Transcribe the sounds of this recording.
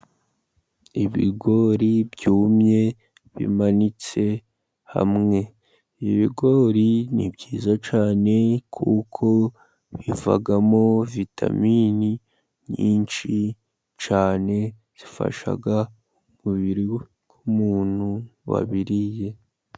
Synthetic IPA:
iβḭɡo̞ːɾibɟuːmɲe̞ | βḭmanit͡se̞ | ha̰mŋe̞ | iβiɡo̞ːɾinibɟiːzat͡ʃaːne̞kʰukʰo̞ | βiva̰ɡamo̞vitʰa̰mini | ɲiːnʃi | t͡ʃaːne̞ | z̥ifa̰ʃa̰ɡa | umuβiɾi | kumuːn̥huwa̰βiɾije̞

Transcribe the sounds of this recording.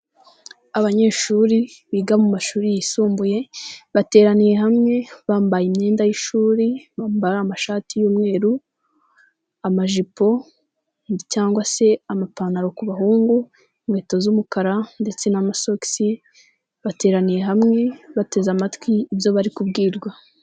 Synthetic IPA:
aβaɲe̞ʃuːɾiβiːɡamumaʃuːɾijisuːmbuje̞βate̞ːɾanije̞ɦamŋe̞βaːmbajimɲe̞ːndajiʃuːɾiβaːmbaɾamaʃaːtijuːmŋe̞ːɾu | amaʒipo̞ | ncaːŋɡwase̞amapanaɾo̞kuβaɦuːŋɡu | mwe̞ːto̞zumukaɾande̞t͡se̞namaso̞ki̥si | βate̞ːɾanije̞ɦamŋe̞βate̞zamatwiːβjo̞βaɾikubɡiːɾɡwa

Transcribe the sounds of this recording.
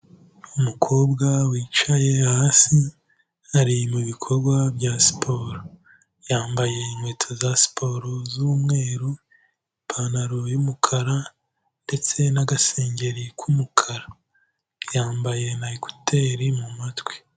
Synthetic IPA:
umukʰo̞ːbɡawiːt͡ʃaje̞hasi | haɾimuβikʰo̞ɾɡwabjasi̥pʰo̞ːɾo | jaːmbaje̞inweːtʰozasi̥pʰo̞ɾozuːmŋe̞ːɾu | impʰanaɾojumukʰaɾa | nde̞t͡se̞naɡase̞ːɲɟe̞ɾikʰumukʰaɾa | jaːmbaje̞naiko̥te̞ːɾimumatwe̥

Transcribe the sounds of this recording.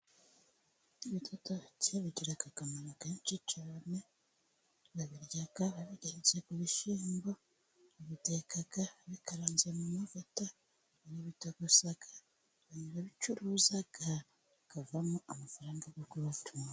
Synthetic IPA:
iβitʰotoceβiɟiɾakakamanakat͡ʃit͡ʃiɾame | βaβiɾjaɡaβaβiɡezekuβiʃiːmbo | βitekaɡaβikaɾaːnzemumavota | niβitoɡosaɡa | βaɲiɾaβit͡ʃuɾuːzaɡa | kavamuamafaɾaːŋɡaɡoɡuβatʰuma

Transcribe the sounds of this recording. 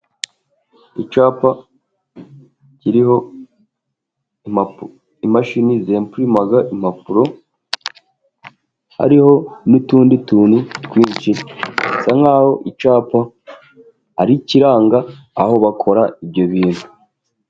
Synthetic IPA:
it͡ʃaːpa | ciɾiho̞ | ma | imaʃinizempuɾimaɡaʔimapuɾo̞ | ha̰ɾiho̞nutuːndituːnutwiːt͡ʃisaŋaːho̞ʔit͡ʃaːpa | aɾiciɾaːŋɡaː | ho̞βakʰo̞ɾaibɟo̞βiːnhu

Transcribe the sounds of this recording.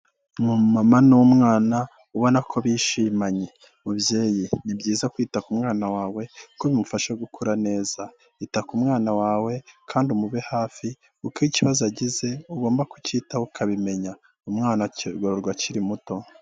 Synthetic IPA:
mumamanuwumŋaːna | uβo̞nakʰo̞βiʃiːmaɲe̞ | ubje̞ːjinibɟiːzakwiːtakumŋaːnawaːwe̞koβimufaʃaɡukʰuɾane̞ːz̥a | itakumŋaːnawaːwe̞kʰaːndumuβehaːfi | ukiciβazaɟize̞uɡo̞ːmbakuciːtaukʰaβime̞ɲa | umŋaːnaɡoɾoɾɡwaciɾimuto̞

